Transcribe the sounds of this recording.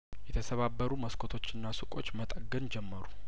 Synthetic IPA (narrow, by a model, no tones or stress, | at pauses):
jɛt̪ʰəsəβabːəɾuməskʰot̪ʰo̞t͡ʃːɨnːasɨkʼo̞t͡ʃːmət̪ʼəɡənd͡ʒɛmːəɾu